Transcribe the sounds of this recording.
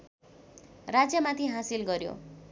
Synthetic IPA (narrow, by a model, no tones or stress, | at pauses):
rad͡zjʌmãt̪ʰiɦasilɡʌɾjo̰